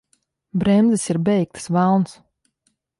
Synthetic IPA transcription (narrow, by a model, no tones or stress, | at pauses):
bɾɛmd̪zisiɾbɛjk̚t̪svalˠns